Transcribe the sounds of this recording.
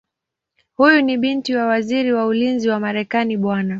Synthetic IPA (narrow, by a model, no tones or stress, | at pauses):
hujuniɓintiwawaziɾiwaulinziwamaɾɛkaniɓwana